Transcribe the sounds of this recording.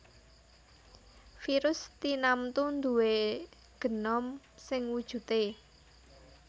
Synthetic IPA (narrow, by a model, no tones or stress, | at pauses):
fiɾʊst̪inamt̪und̪ṳwe | ɡ̥ə̤nɔm | sɪŋwud̥ʒ̥ṳt̪e